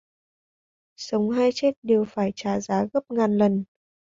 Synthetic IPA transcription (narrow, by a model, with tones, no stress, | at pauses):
sə˨˦wŋ͡mɦaː˧jt͡ɕɛ˦˥t̚ɗe˨˩wfaː˧˩jt͡ɕaː˨˩zaː˨˦ɣə˦˥p̚ŋaː˨˩nlə˨˩n